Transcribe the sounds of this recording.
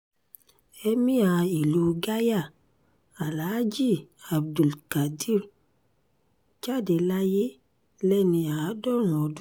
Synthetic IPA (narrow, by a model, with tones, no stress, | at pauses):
e˦mĩ˦a˨i˨lu˨ɡa˦ja˦˨ | a˨la˨˦d͡ʒi˦a˨b̚du˨lka˨di˦ɾ | t͡ʃa˦˨de˨la˦je˦ | lɛ˦nĩ˧a˨˦dɔ˦ɾũ˨ɔ˨d